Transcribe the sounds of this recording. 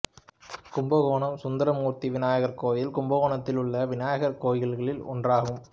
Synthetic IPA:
kʊmbɐɣoːɳɐmsʊnd̪ɐɾɐmuːɾt̪iʋɪnaːjɐɣɐɾkoːʋjɪlkʊmbɐɣoːɳɐt̪ːɪlɯɭːɐʋɪnaːjɐɣɐɾkoːjɣɐɭɣɐɭɪlɔ̰ndraːɣɯm

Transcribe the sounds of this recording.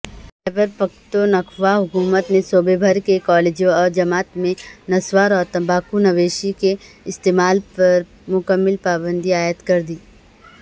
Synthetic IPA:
ɛbəɾpɐk̚t̪onɐkʰʋaɦʊkuːmət̪nesoːbebʱəɾkekɔːleːd͡ʒõɔːɾd͡ʒɐmaːt̪mẽnɐswaːɾɔːɾt̪ɐ̃mbʱaːkunɐʋeːʃike | ɪst̪eːmaːlpɐɾ | mʊkəmːɪlpaːbə̃nd̪ʱiaːjət̪kɐɾd̪iː

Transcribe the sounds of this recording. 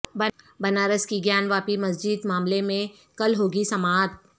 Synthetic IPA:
bɐ | bɐnaːɾəskiɡjaːnʋaːpimɐsd͡ʒid̪maːmlemẽ | kɐlɦoːɡisɐmaːt̪̚

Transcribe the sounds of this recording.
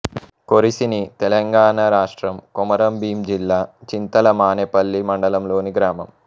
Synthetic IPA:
koɾisinit̪ɛlɐŋɡaːɳɐɾaːʂʈɾɐmkumɐɾɐmbiːmd͡ʒilːaːt͡ʃint̪ɐlɐmaːnepɐlːimɐɳɖɐlɐmlo̞ːniɡɾaːmɐm

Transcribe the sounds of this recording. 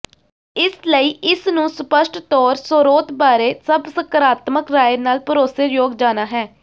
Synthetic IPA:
ɪsləiːʔɪsnũːsʊpəʃʈt̪ɔːɾsoɾoːt̪baːɾeːsəbsəkəɾaːt̪məkɾaːenaːlpəɾoːseːjoːɡd͡ʒaːnaːɦɛː

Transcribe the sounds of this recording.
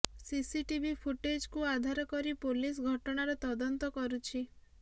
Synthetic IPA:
sisiʈibipʰuʈed͡ʒkuad̪ʱaɾɔkɔɾipolis̬ɡʱɔʈɔɽ̃aɾɔt̪ɔd̪ɔnt̪ɔkɔɾut͡ʃʰi

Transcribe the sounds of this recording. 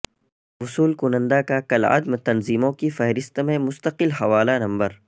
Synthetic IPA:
ʊsuːlkʊnə̃nd̪akakɐlɐ̰d̪mt̪ɐnziːmõkifɐɦɾɪst̪mẽmʊst̪əqɪlɦɐʋaːlanɐ̃mbəɾ

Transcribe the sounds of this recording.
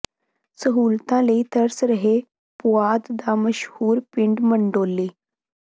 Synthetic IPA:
səɦuːlt̪ãleit̪əɾsɾəɦe | pʊaːd̪d̪aməʃhuːɾpɪɳɖməɳɖoːlːeː

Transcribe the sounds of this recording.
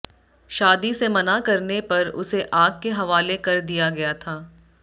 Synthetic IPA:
ʃaːd̪isemɐnakɐɾnepɐɾʊ̰seʔaːɡ̚keɦɐʋaːlekɐɾd̪ijaɡɐjat̪ʰaː

